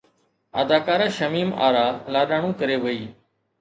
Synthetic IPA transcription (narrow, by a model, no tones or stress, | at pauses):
ə̰d̪aːkaːɾaːʃəmiːma̰ːɾaːlaːɗaːɳ̃ũːkəɾeːʋəiː